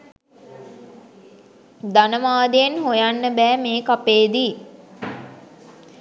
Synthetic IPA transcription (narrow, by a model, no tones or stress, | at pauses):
d̪anəmaːd̪ejenɦojanːəbɛːmeːkapeːd̪iː